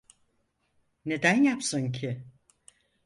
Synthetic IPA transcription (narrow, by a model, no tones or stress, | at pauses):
ne̞d̪ænjapsɯncʰɪ